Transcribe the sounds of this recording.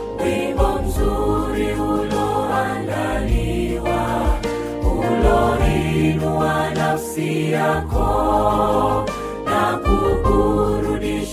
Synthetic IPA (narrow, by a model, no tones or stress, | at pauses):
dimbɔmuzuɾiulɔandaliwa | ulɔɦinuwanasiakɔ | nakukuɾuɗi